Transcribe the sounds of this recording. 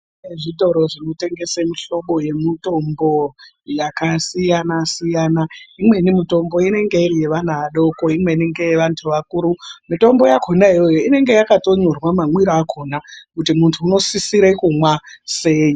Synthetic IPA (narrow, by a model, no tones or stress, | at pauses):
eʐito̞ɾo̞ʐino̞te̞ŋɡe̞semiɬo̞ɓo̞je̞mito̞mbo̞ | jakasijanasijaːnaimwe̞nimito̞mbo̞ine̞ŋɡe̞irije̞ʋan̤aʋaɗo̞ko̞imwe̞ine̞ŋɡe̞jeʋantʰuʋakuːɾumito̞mbo̞jakʰonaijo̞joine̞ŋɡe̞jakato̞ɲorwamamwiɾoakʰonakutimuntʰuːno̞sisiɾekumwase̞ːji